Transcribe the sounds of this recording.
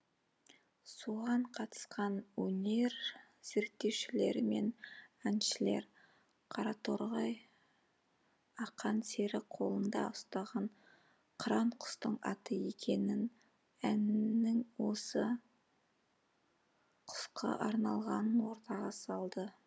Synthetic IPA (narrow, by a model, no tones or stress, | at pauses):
soʁɑɴqʰɑt̪ə̥sqɑnwɵne̞ɾ | z̥e̞ɾk̚t̪ːe̞wʃɪle̞ɾɪme̞̰nænʃɪle̞̰ɾ | qʰɑɾɑt̪ʰoɾʁɑj | ɑqɑnse̞ɾɪqʰo̞lˠənd̪ɑ̰ʊst̪ɑʁɑɴ | qʰɾɑɴqʰʊ̥st̪əɴɑ̰t̪əje̞kʲe̞nɪn | ænɪŋwo̞sə | qʰʊ̥sqʰɑ̰ʔɑɾnɑlˠʁɑnənwo̞ɾt̪ɑʁɑsɑlˠd̪ə